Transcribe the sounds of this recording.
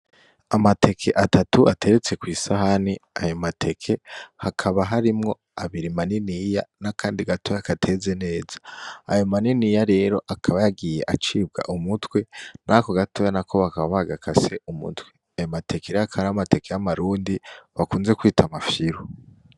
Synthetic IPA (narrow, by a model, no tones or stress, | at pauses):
amate̞kʰe̞ʔatatuʔatʰe̞ɾet͡se̞kwiːsahaniajomatʰe̞kʰe̞hakʰaβaɦaɾimŋo̞ | aβiɾimaninijanakʰaːndiɡatʰojakatʰe̞ːze̞ne̞ːzaa̰jomaninijaɾe̞ːɾo̞ʔakʰaβajaɡije̞ʔat͡ʃiːbɡa̰ʔumutwe̞nʔako̞ɡatojanakʰo̞βakaβaβaɡakʰase̞ʔumṵtwe̥ | ajomatʰe̞keɾeakʰaβaɾaamate̞kejamaɾuːndiβakuːnze̞kwiːtʰamafjiɾu